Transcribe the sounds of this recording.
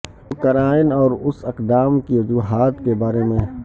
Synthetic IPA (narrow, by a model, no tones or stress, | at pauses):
kɐɾaːɪnɔːɾʊsɪqd̪aːmkiʋʊd͡ʒuːɦaːt̪kebaːɾemẽ